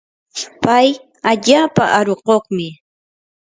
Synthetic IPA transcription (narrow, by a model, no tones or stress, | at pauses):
paj | aʎaːpa̰ʔaɾoqoχmɪ